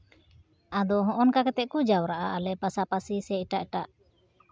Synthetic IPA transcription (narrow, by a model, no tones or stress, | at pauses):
ad̪ɔɦɔ̃ʔɔnkakɛt̪ɛʔ̚kud͡ʒawɾaʔaʔalɛpasapasisɛiʈaʔɛʈaʔ